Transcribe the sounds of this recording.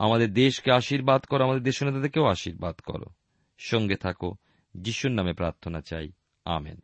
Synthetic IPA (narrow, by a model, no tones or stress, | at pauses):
a̰mad̪eɾd̪eʃkeaʃiɾbad̪kɔɾoamad̪eɾd̪eʃonet̪at̪eɾkeowaʃiɾbad̪kɔ̰ɾo̰ | ʃɔŋɡet̪ʰako | d͡ʑiʃuɾnamepɾaɾt̪ʰonat͡ɕaj | a̰mḛn